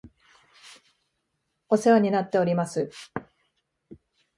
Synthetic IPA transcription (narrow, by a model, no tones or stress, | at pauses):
o̞se̞βaɲ̟inat̪ːe̞o̞ɾʲimasɨ